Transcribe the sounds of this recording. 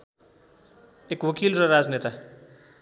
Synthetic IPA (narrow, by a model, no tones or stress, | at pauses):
ekwʌkilrʌɾad͡znet̪a